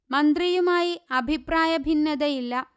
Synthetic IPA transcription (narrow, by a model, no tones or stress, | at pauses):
mɐnd̪rijumaːjiɐbʱipraːjɐbʱinːɐðɐjilːɐ